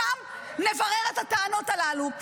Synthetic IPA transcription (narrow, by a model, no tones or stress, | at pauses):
am | ne̞vaʁeʁethataːno̞talalu